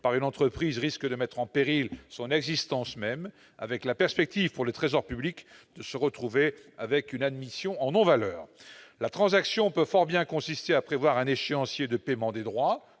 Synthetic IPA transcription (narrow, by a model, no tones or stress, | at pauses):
paʁynɑ̃t̪χəpχizʁiskəd̪əmɛt̪χɑ̃peʁilsɔ̃nɛɡzist̪ɑ̃smɛm | a̰vɛklapɛʁspɛk̚t̪ivpuʁlət̪χezɔʁpyblikd̪̥əsəʁət̪χuveavɛkynad̪misjɔ̃ʔɑ̃nɔ̃valœːʁlat̪χɑ̃zaksjɔ̃pøfɔʁbjɛ̃kɔ̃sist̪eapχevwaʁɛ̃neʃeɑ̃sjed̪əpemɑ̃d̪ed̪ʁwa